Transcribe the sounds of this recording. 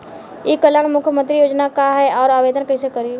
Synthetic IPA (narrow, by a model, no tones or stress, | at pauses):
ekələɽmʊkʰjəmə̃nt̪ɾijoːd͡ʒnakaɦɛɔːɾaːʋeːd̪ənkɛsekəɾi